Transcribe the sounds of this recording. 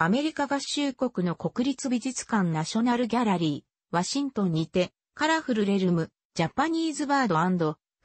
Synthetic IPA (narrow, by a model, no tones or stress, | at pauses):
ame̞ɾʲikaɡaɕɨːko̞kɯ̟no̞ko̞kɯ̟ɾʲit͡sɨbʲiʑit͡sɨ̥kãnːaɕo̞naɾɯ̟ɡʲaɾaɾʲiː | βaɕĩnt̪õ̞ɲ̟ːit̪e̞ | kaɾaɸɯ̟ɾɯ̟ɾe̞ɾɯmɯ̟ | d͡ʑapːaɲ̟ʲiːzɨβaːd̪o̞ãnd̪o̞